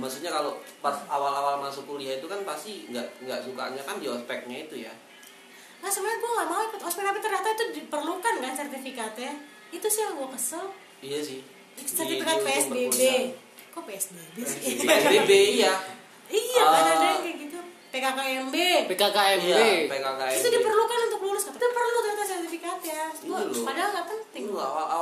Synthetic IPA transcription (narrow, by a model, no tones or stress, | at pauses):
masut̪̚ɲakalopasawalawalmasukuliait̪ukanpast̪iŋɡaʔŋɡaʔsuka̰ɲakandiɔspɛk̚ɲait̪uja | masəmənakoŋamaikʊt̪ɔspɛk̚t̪apit̪ərɲat̪ait̪udipərlukankansɛrt̪ifikat̪ɛ | it̪usiaŋɡuakəsəl | ijasɪh | sɛrt̪ifikat̪̚peɛsdebe | kɔpeɛsdebesebeija | ijabadadeɛɡit̪u | pekakaɛmbepekakaɛmbepekakait̪udipərlukanunt̪ʊklulʊskat̪əd̪ipərluat̪əɲat̪asɛrt̪ifikat̪jaɡuapadaaŋɡat̪ət̪i